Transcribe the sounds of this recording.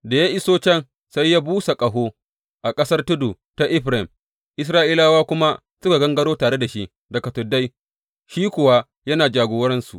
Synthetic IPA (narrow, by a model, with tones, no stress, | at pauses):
da˨ja˦ʔɪ˦soː˦t͡ʃɛ˦˨n | sa˦jːaː˦buː˦sa˨kʼɐ˨ɦoː˦ | ʔa˨kʼɐ˦sɐ˦rtʊ˦du˨ | ta˦ʔɪ˦ɸɾɛ˨m | ʔɪ˦s̬ɾaː˦ʔi˦laː˦waː˦kʷʊ˦ma˦ | sʊ˦ka˨ɡɐ˦ŋɡɐ˦ɽoː˦taː˨ɽe˦da˨ʃi˦ʔ | dɐ˨kɐ˨tʊ˨da˦j | ʃiː˦kʷʊ˨wa˦ | jɐ˦naː˨d͡ʒaː˨ɡoː˦wɾɛ˦nsu˨ʔ